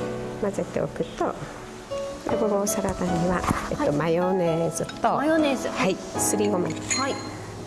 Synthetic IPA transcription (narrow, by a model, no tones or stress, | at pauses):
maze̞t̪ːḛo̰kɯ̟t̪ːo̰ | ɾḛɡoɡoːsaɾat̪aɲːiβaeomajoneːzɨt̪ːojonezɨhai | sɨɾʲiɡomai